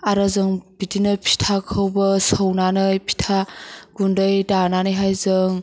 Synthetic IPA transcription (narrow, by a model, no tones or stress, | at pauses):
aɾazɯŋb̥itinɐpʰi̥tʰakʰɯwbɐsəwnanɯjpʰi̥tʰaɡ̥undɯjdananɯjɦajzɯŋ